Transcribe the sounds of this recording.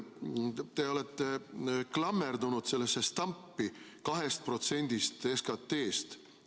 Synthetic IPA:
t̪eo̞let̪ːeklɑmːerd̪unud̪̥se̞lːesːest̪ɑmpːi | kɑɦest̪̚pro̞t̪se̞nʲd̪̥ist̪eskɑt̪ːe̞ːst̪

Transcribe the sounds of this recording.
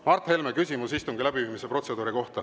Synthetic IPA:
mɑrt̪he̞lmekysʲimusist̪uŋɡilæbiviːmise̞pro̞t̪se̞d̪uːɾiko̞ht̪ɑ

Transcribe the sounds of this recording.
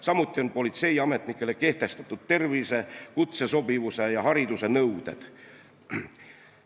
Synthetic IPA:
sɑmut̪ˑːio̞npo̞lit̪se̞jɑme̞t̪ˑnikːˑe̞le̞ke̞ht̪e̞st̪ɑ̥t̪ːˑud̪̥̚t̪e̞rvise̞kut̪se̞so̞bivuse̞jɑɦɑɾid̪̥use̞nɤwd̪̥e̞̰d̪̥

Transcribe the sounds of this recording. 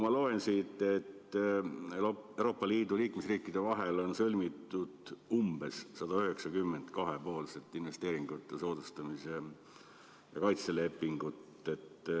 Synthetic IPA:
mɑlo̞ensit̪ːˑe̞t̪ː | ewɾo̞ːpːˑɑliːd̪uliːkmesriːkːˑid̪̥e̞vɑɦe̞lo̞nsɤlʲmit̪ːˑud̪̥umb̥e̞sːɑd̪̥ɑyɦe̞ksɑkymːe̞nd̪kɑɦe̞po̞ːlse̞t̪ːˑinve̞st̪e̞ːɾiŋɡ̥ut̪ːˑeso̞ːd̪̥ust̪ɑmise̞ | jɑkɑjt̪se̞le̞pːiŋɡut̪ː | e̞t̪ː

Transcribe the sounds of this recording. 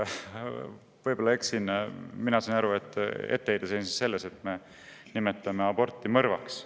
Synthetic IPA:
vɤjbolːɑeksinminɑsɑnɑɾue̞t̪ːˑḛt̪ːeejd̪̥esensi̥sse̞lːese̞t̪me̞ | nimet̪ːˑɑmeɑbo̞rt̪ˑːimɤrvɑ̰ks

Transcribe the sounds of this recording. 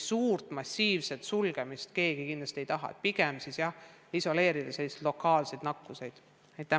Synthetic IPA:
suːrt̪ˑmɑsʲiːvse̞t̪sulɡ̥e̞mist̪ke̞ːɡ̥ikind̪lɑst̪iejt̪ɑɦɑ̰t̪̚piɡemsiːsjɑh | iso̞le̞ːɾid̪̥ɑse̞lːised̪lo̞kːˑɑːlse̞jd̪nɑkːuse̞jd̪̥ | ejt̪ːˑæ

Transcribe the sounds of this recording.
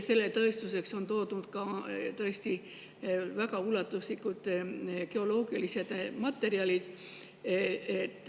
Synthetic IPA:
se̞lːe̞t̪ɤ̞est̪use̞kso̞nt̪o̞ːd̪unud̪̥kɑt̪ɤ̞est̪i | væɡ̥ɑulɑt̪ːˑuslikˑud̪̥ke̞o̞lo̞ːɡiɑlise̞d̪̥mɑt̪ːˑe̞ɾiɑlid̪̥ | eet̪ːˑ

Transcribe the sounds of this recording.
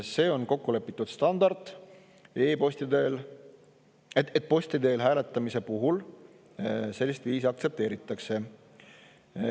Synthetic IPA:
se̞ːo̞nko̞kːule̞pːˑit̪ːˑud̪̥st̪ɑnd̪̥ɑrd̪ˑ | eːposʲt̪id̪eːl | eet̪̚ːˑpo̞sʲt̪id̪e̞ːlɦæːle̞t̪ˑːɑmise̞puɦul | se̞lʲːist̪viːsiɑkt̪se̞p̚t̪e̞ːɾit̪ːˑɑkse̞

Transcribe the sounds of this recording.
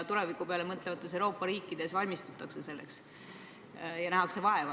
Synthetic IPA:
t̪ule̞vikˑupeɑlemɤt̪ˑlevɑt̪ːˑe̞s̬ewɾo̞ːpːˑɑɾiːkːˑid̪̥e̞svɑlʲmist̪ut̪ːˑɑkse̞se̞lːḛks | jɑnæɦɑkse̞vɑe̞vɑ

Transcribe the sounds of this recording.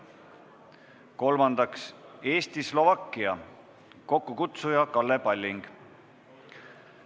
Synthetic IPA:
ko̞lmɑnd̪̥ɑkse̞ːst̪islo̞vɑkːˑiɑ | ko̞kːukut̪sujɑkɑlːepɑlʲːiŋɡ̥

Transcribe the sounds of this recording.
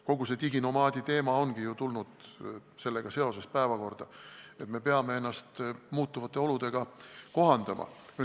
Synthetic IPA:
ko̞ɡ̥use̞t̪iɡino̞mɑːd̪̥ʲit̪e̞ːmɑo̞nɡijut̪ulnud̪̥se̞lːeɡ̥ɑse̞o̞se̞spæe̞vɑko̞rd̪̥ɑe̞t̪me̞pe̞ɑme̞e̞nːɑst̪muːt̪ːˑuvɑt̪ːˑe̞o̞lud̪̥e̞ɡ̥ɑko̞ɦɑnd̪̥ɑmʔɑ̰

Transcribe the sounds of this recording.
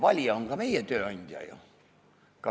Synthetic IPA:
ʋɑlʲjɑoŋkɑmeijæt̪øːɑinʲt̪ʲɑ̰jo̰ | kɑ

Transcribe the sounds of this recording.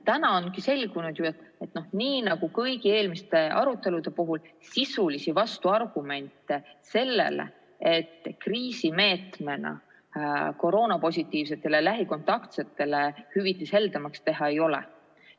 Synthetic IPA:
t̪ænɑonkise̞lʲɡ̥unud̪̥juɑt̪ːˑet̪nohniːnɑɡ̥ukɤjɡ̥ie̞ːlmist̪e̞ʔɑ̰ɾut̪ːˑe̞lud̪e̞puɦulsisulisivɑst̪uɑrɡ̥ume̞nt̪ːˑese̞lːe̞̰lḛ | et̪ːkriːsime̞ːt̪me̞nɑ̰ | ko̞ɾo̞ːnɑpo̞sʲit̪ˑːiːvse̞t̪ˑːe̞lelæɦiko̞nt̪ːˑɑkt̪se̞t̪ːˑe̞lehyvit̪ːˑishe̞ld̪̥emɑkst̪e̞ɦɑejo̞lḛ

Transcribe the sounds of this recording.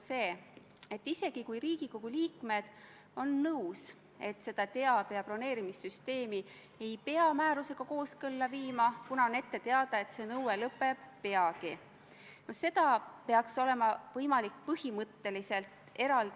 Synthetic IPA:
se̞ː | e̞t̪ːise̞ɡ̥ikujɾiːɡ̥iko̞ɡ̥uliːkme̞d̪̥ | o̞nːɤws | e̞t̪se̞d̪̥ɑt̪e̞ɑpeɑpro̞ne̞ːɾimisːyst̪e̞ːmi | e̞jpe̞ɑmæːɾuse̞ɡ̥ɑko̞ːskɤlːɑviːmɑkunɑone̞t̪ːe̞t̪e̞ɑd̪̥ɑet̪se̞nɤwelɤpːˑe̞ːe̞ɑɡ̥i | nose̞d̪̥ɑpe̞ɑkso̞le̞mɑvɤjmɑlik̚pɤhimɤt̪ːe̞lise̞lt̪ | e̞ɾɑl

